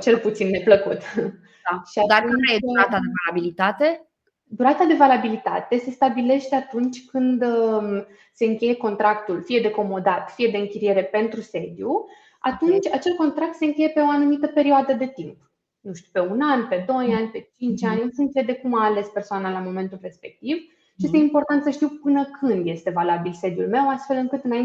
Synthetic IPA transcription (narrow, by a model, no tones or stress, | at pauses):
t͡ʃe̞lput̪sinːe̞pləkut̪ | aʃiad̪auajeuɾat̪ad̪evalabilit̪at̪e̞ | d̪uɾat̪ad̪e̞valabilit̪a̰t̪e̞se̞st̪abile̞ʃt̪eat̪unt͡ʃʲkɨnd̪ | se̞ɨŋkʲe̞je̞ko̞nt̪ɾakt̪ulfije̞d̪e̞ko̞mo̞d̪at̪fije̞d̪e̞ɨŋkʲiɾije̞ɾe̞pe̞nt̪ɾuse̞d̪ju | a̰t̪unt͡ʃʲat͡ʃe̞lko̞nt̪ɾak̚t̪se̞ɨŋkʲe̞je̞pe̞o̞anumit̪əpe̞ɾioad̪əd̪e̞t̪imp | nuʃt̪uwpe̞unanpe̞d̪o̞janʲpe̞t͡ʃint͡ʃʲanʲosŋkʲejed̪e̞kumaːle̞spe̞rsoanalamo̞me̞nt̪ulre̞spe̞k̚t̪iv | ʃijest̪eimpo̞rt̪ant̪səʃt̪iwpɨnəkʰɨnd̪je̞st̪e̞valabilse̞d̪julme̞wast̪fe̞lɨŋkɨt̪ɨna